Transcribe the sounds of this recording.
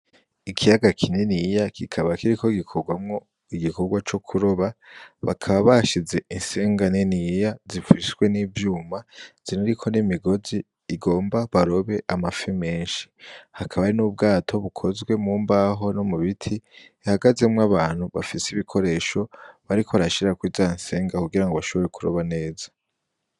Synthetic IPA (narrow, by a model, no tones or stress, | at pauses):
ikʰijaɡakʰinenijakʰikʰaβakiɾikʰo̞ɡikʰoɡwamŋo | iɡiko̞ɡwat͡ʃo̞kʰuɾo̞βaβa̰kʰaβaβaʃize̞inseːŋɡanenijazifiswe̞nivjuːmaz̥iniɾikʰo̞nimiɡo̞ziː | ɡo̞ːmbaβaɾo̞βe̞ʔamafime̞ːnʃi̥hakʰaβaɾinub̚ɡaːtʰo̞βukʰo̞zɡwe̞muːmbaɦo̞nomuβitʰi | haɡazemwaβaːn̥huβafisiβikʰo̞ɾe̞ːʃo̞βaɾikʰoaɾaʃiɾakwizainse̞ːŋɡakuɡiɾaŋɡoβaʃo̞βo̞ɾe̞kuɾo̞̰βane̞ːzḁ